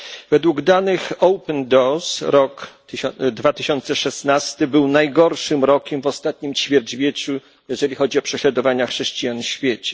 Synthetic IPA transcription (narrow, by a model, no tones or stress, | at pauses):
v̥ɛd̪wuɡd̪anɘxɔwpɛnd̪ɔsɾɔk | d̪vat̪ɘɕɔnt̪sɛʂɛsnast̪ɘbɘwnajɡɔɾʂɘmɾɔkʲɛmvɔst̪at̪ɲimt͡ɕfʲjɛɾd͡ʑvʲjet͡ɕu | jɛʐɛlʲixɔd͡ʑiɔpʂɛɕlad̪ɔvaɲaxʂɛɕt͡ɕijaɲfɕfʲjet͡ɕɛ̥